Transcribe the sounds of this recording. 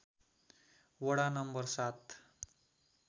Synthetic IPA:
wʌɽanʌmbʌrsat̪

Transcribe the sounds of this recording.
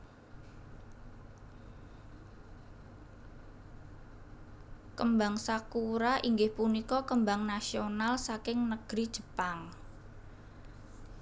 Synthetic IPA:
kəmbaŋsakuɾaʔiŋɡɪhpunikɔkəmbaŋnasionalsakɪŋnəɡ̥ɾid̥ʒ̥ə̤paŋ

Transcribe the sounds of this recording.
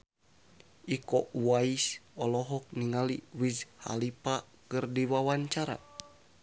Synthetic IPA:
ʔikɔwaisɔlɔɦɔk̚niŋaliwisha̰lipa | kɨrdiwawaɲt͡ʃaɾa̰

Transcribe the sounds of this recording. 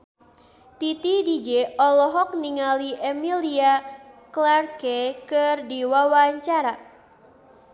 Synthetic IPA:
t̪it̪idid͡ʒɛɔlɔɦɔk̚niŋaliʔɛmiliaklarkɛkɨrdiwawaɲt͡ʃaɾa

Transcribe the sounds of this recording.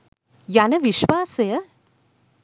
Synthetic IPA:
janəʋiʃwaːse

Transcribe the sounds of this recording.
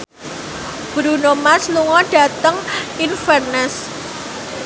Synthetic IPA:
b̥ɾunomasluŋɔɖ̥ä̤t̪əŋinfɛrnɛs

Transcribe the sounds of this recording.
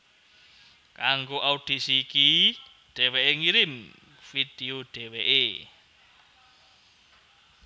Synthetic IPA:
kaŋɡoʔaud̥i̤siki | ɖ̥ɛ̤weʔeŋiɾɪm | fid̥eoɖ̥ɛweʔe

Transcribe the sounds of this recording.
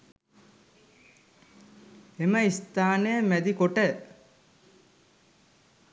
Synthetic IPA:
eməist̪aːnəjəmæd̪ikoʈə

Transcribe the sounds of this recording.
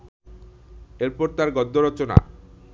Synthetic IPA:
eɾpɔɾt̪aɾɡɔd̪ʱːoɾɔt͡ɕona̰

